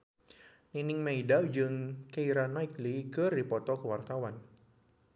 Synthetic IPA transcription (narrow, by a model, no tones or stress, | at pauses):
ninɪŋmeidad͡ʒɨŋkeiɾanaiklikɨrdipɔt̪ɔkəwart̪awan